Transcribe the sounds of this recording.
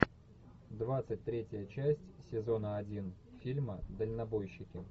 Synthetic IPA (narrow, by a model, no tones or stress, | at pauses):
d̪vat̪sɨt̚ʲt̪ɾʲetʲəjət͡ɕæsʲtʲsʲɪzo̞nəɐdʲin | fʲilʲməd̪əlʲnɐbo̞jɕːɪkʲɪ